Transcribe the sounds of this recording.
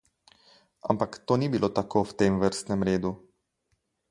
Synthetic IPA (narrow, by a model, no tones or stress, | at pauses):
a̰mpakt̪oːnibilot̪akʰowt̪emʋəɾst̪nɛmɾeːd̪u